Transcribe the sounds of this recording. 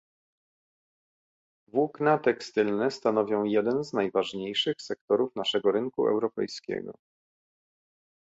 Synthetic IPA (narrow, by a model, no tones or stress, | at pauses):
vwuknat̪ɛkst̪ɘlnɛst̪anɔvʲjɔ̃w̃jɛd̪ɛnznajvaʐɲejʂɘxsɛk̚t̪ɔɾufnaʂɛɡɔɾɘŋkṵɛ̰wɾɔpɛ̰jskʲɛ̰ɡɔ̰